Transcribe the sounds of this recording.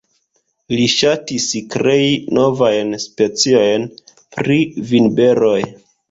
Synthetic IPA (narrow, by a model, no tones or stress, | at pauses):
liʃatiskɾe̞ino̞vajnspe̞t͡sio̞jn | pɾivinbe̞ɾo̞j